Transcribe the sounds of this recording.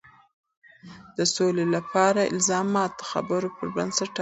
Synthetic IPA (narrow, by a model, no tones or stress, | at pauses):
d̪̥əsolelapʰɑɾaɪ̰lzɑmɑt̪əxa̰bəɾopəɾba̰nsaʈː